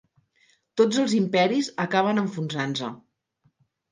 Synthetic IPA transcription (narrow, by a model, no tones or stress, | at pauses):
t̪od͡zəlˠzimpɛɾizəkaβ̞ənəɱfunzanzə